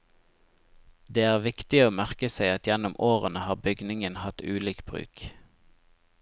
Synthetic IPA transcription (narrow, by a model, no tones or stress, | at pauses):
d̪eːæːʁʋɪkt̪ɪoːmæʁkəseɪɑt̪jɛnʊmoːʁənəhɑːbʏɡnɪŋənhɑt̪ʉːliːkb̥ʁʉ̰ːk